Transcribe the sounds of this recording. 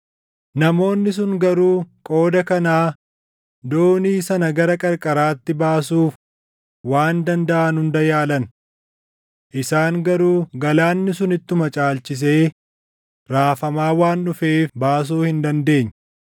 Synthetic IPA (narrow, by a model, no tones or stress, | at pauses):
nɐmo̞ːnːɪs̬ʊŋɡɐɾuːkʼo̞ːd̪ɐkɐnaː | d̪o̞ːniːsɐnɐɡɐɾɐkʼɐɾkʼɐɾaːt̪ːɪbaːsuːf | waːnd̪ɐnd̪ɐʔɐnʊnd̪ɐjaːlɐn | ʔɪsaːŋɡɐɾuːɡɐlaːnːɪsʊnɪt̪ːʊmɐt͡ʃʼaːlt͡ʃɪs̬e̞ː | ɾaːfɐmaːwaːnːʊfeːfbaːs̬uːhɪnd̪ɐnd̪e̞ːɲː